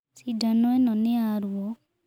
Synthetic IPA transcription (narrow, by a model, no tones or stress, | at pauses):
sidanɔenɔnɛaɾuɔ